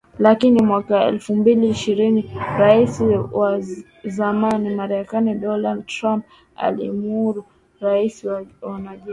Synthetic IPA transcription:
lakinimwakaɛ̰lfumbiliːʃiɾiniɾaisiwa | zamanimaɾɛkaniɗɔnadtɾamp̚ | a̰lḭmuɾu | ɾaisiwwanaʄu

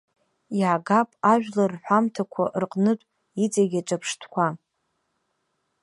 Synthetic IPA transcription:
jaɡapʼaʒᶣlarħʷamtʰakʷʰa̰ʔrqʼnɨtʷʼ | it͡sʼaɡʲaʈ͡ʂʼapʰʂtʰkʷʰa

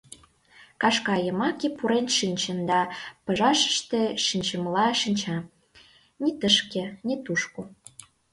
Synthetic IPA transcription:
kɑʃkɑjə̆mɑkipuɾenʃinʲt͡ɕənd̪ɑpə̆ʒɑʃə̥ʃt̪eʃinʲt͡ɕə̆mlɑʃinʲt͡ɕɑ | nit̪əʃkĕnit̪uʃko

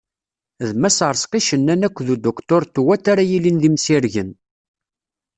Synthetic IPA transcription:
ðmæsəɾˤsqiʃənːænækʷːðud̪okt̪ʊɾt̪wæt̪ːaɾæjilinðimsiɾʝən

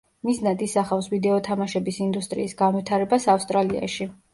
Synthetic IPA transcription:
misnad̪ʼisaχafsvid̪ɛɔt̪ʰamaʃɛbisind̪ust̪ʼɾḭːsɡanvit̪ʰaɾɛbasafst̪ʼɾalia̰ʃi

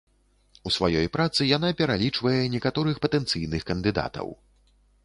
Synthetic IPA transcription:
usvajɔjpɾat̪sɨjan̪apʲɛɾalʲit͡ʂvɐjɛnʲɛkat̪ɔɾɨxpɐt̪ɛnt̪sɨjnɨxkɐnd̪ɨd̪a̰t̪ɐ̰w

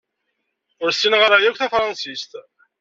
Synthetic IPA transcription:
ʊɾsinʁəɾˤæjækʷːθæfɾˤɑnsist̪

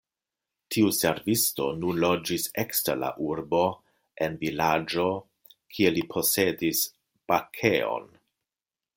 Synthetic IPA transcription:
tʰiuse̞ɾvisto̞nunlod͡ʒisekstala̰ʔuɾbo̞ | envilad͡ʒo̞ | kʰielipʰo̞sedis | b̥akʰeo̞̰n

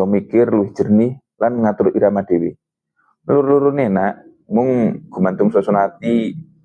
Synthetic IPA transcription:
ɔmikɪrluɪhd͡ʒ̥ə̤nɪh | lanŋat̪ʊɾiɾamad̥ewɪ | lurluɾʊnienaʔ | mʊŋɡ̥ṳmant̪ʊŋsɔsɔnat̪i

